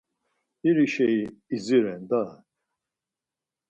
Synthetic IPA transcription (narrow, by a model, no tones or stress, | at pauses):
iɾiʃɛiiziɾɛnd̪a